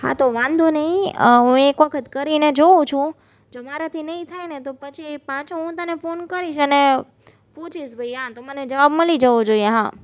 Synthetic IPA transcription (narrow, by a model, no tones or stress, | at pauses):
ha̰t̪oʋãnd̪ʱonəɦĩɦũekʋəkʰət̪kəɾined͡ʒoũt͡ʃʰũ | d͡ʒomaɾat̪ʰinəɦĩt̪ʰajnet̪opət͡ʃʰipãt͡ʃʰoɦũt̪ənefonkəɾiʃəne | pot͡ʃʰiʃbʱəjãt̪oməned͡ʒəʋabməlid͡ʒəʋod͡ʒoieɦã